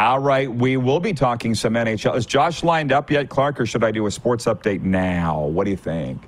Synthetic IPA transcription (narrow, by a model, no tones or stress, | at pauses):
ɔlˠɹaɪt̚wiwɪlˠbitʰɔkɪ̃ŋsʌ̃mɛ̃ɾ̃eɪt͡ʃɛɨz̥d͡ʒ̥ɑʃlãɪ̃ndʌpjɛt̚kʰl̥ɑɹkə˞ʃɨɾaɪdɨɨspɔɹtsʌp̚d̥eɪtⁿnaʊwʌt̚d̥ɨjɨθɪ̃ŋk